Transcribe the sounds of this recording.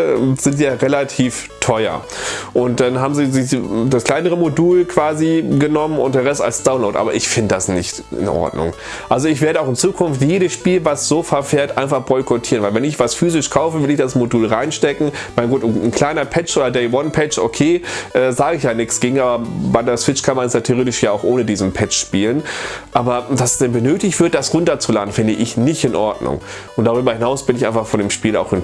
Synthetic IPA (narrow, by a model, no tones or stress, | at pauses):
z̥ɪntz̥iːjaːʁelatʰiːf | tʰɔʏɐ̰ | ʔʊnt̚d̥anɦaːbm̩ziːzɪçd̥askl̥aɪnəʁəmoduːlkv̥aːziɡənɔmənʊ̰nt̚d̥eːʁɛsta̰lsd̥aʊnloʊtʔa̰ːbɐʔɪçfɪndədasnɪçt | ʔɪ̰nʔɔ̰ɐdnʊ̰ŋ | ʔalzoɪçv̥eːɐɾəaʊxɪnt͡suːkʰʊnftjeːɾəsʃpiːlvasz̥oːfɛɐfeːɐtʔaɪnfaχb̥ɔʏkʰɔtʰiːʁənvaɪlvɛnɪçv̥asfyːzɪʃkʰaʊfəvɪlɪçd̥asmoduːlʁaɪnʃtɛkŋ̩ | maɪnɡuːtʊnn̩kʰl̥aɪnɐpʰɛt͡ʃʔoːdɐdɛɪwɔnpʰɛt͡ʃʔokʰeːʔɛːzaːɡəɪçjaːnɪksɡ̥ɪːɡŋ̩ʔaːbɐbaɪdasv̥ɪt͡ʃkʰanmanɛsjatʰeːʁeːtɪʃjaːaʊxʔoːnədiːzn̩pʰɛt͡ʃʃpiːlənʔaːbɐvassd̥ɛnbənøːtɪçtv̥ɪɐt̚d̥asʁʊntɐt͡sulaːdn̩fɪndəʔɪçnɪçtɪnʔɔɐdnʊ̰ŋ | ʔʊntd̥aʁyːbɐhɪnaʊsb̥ɪnɪçʔaɪnfaχfɔndeːmʃpiːla̰ʊxɪn